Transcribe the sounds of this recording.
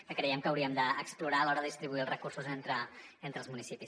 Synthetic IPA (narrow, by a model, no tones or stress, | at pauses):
kəkɾɛjɛmkəwɾiəmd̪əːkspluɾaəlɔɾəðəist̪ɾiβuiəlˠzrəkursuzent̪ɾəent̪ɾəlˠzmunisipis